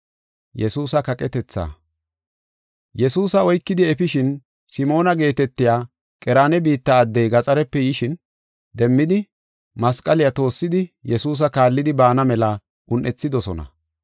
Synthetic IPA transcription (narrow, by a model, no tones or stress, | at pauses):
jɛsuːsɐkɐkʼɛt̪ɛt͡sːa̰ː | jɛsuːsɐɔjkːɪd̪ɪɛfɪʃɪn | sɪmo̞ːnɐɡe̞ːt̪ɛt̪ːɪjaː | kʼɛɾaːnɛbiːt̪ːɐːd̪ːɛjɡɐt͡sʼɐɾɛpːɛjɪʃɪn | d̪ɛmːɪd̪ɪ | mɐskʼɐlɪjat̪o̞ːsːɪd̪ɪjɛsuːs̬ɐkaːlːɪd̪ɪbaːnɐmɛlɐ | ʔʊnʔɛt͡sːɪd̪ɔsɔ̰nɐ̰